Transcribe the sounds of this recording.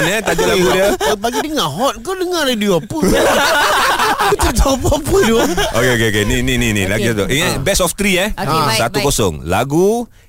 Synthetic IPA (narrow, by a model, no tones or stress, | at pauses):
nət̪ad͡ʒulaɡudiəəpaɡidiŋaɦɔt̪̚kodəŋaradiapə | ut̪ət̪ɔpapədookeokeokeninininḭlaɡisat̪uʔiŋatbɛsɔft̪ɾiəhsat̪ukosɔ̰ŋla̰ɡu